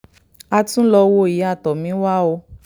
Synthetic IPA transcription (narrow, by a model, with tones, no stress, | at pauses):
a˧tũ˦lɔ˧wo˦˨i˨˦a˦˨tɔ˨mĩ˨˦wa˦o˧